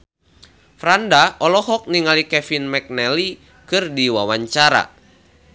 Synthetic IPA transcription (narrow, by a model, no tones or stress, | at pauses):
fɾandaɔlɔɦɔk̚niŋalikɛfinmɛk̚nɛli | kɨrdiwawaɲt͡ʃaɾa̰